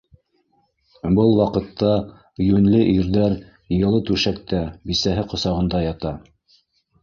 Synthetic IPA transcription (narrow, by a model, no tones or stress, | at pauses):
bɤlˠwɑqɤ̆t̪ʰːɑ | jʉnlɘʔiɾðæɾ | jɤ̆lˠɤt̪ʉʃæk̚t̪æbisæɦɘqŏsɑʁɤ̆nd̪ɑjɑt̪ɑ